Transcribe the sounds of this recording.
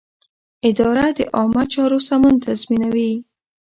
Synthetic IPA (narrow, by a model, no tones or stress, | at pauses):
ɪd̪ɑɾad̪əʔɑmat͡ʃɑɾosamɔnt̪azminawi